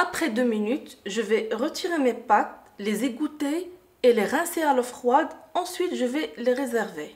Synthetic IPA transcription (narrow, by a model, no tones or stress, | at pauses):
apχɛd̪øminyt̪ʒəvɛʁət̪ʰiʁemepat̪̚lezeɡut̪eː | leʁɛ̃sealɔfχwad̪ɑ̃sɥit̪ʒəvɛleʁezɛʁve